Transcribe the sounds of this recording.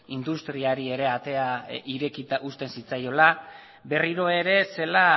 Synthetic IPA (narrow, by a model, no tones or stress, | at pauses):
ind̪ust̪ɾiaɾie̞ɾe̞at̪e̞aiɾe̞kit̪aʔust̪e̞nsit͡sajo̞la | be̞riɾo̞e̞ɾe̞se̞la